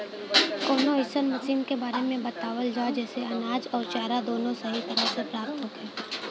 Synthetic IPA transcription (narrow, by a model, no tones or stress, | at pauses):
kɔːnõɪsənmɐsiːmkebaːɾemẽbɐt̪aːʋəld͡ʒaːd͡ʒɛːseɐnaːd͡ʒɔːɾt͡ʃaːɾad̪oːnõsɐɦit̪ɐɾəɦsepɾaːp̚t̪ɦoːɡɛː